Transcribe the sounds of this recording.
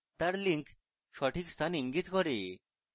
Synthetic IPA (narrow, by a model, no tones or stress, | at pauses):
t̪aɾliŋk | ʃɔʈʰikst̪ʰaniŋɡit̪kɔɾe